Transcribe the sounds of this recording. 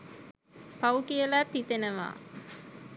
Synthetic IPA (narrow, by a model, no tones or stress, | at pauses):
paukijəlat̪ːit̪enəʋa̰ː